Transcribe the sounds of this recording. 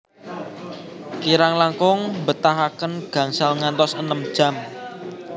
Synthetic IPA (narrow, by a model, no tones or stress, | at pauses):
kiɾaŋlaŋkʊŋbət̪aɦakənɡ̥a̤ŋsalŋant̪ɔsənəmd̥ʒ̥a̤m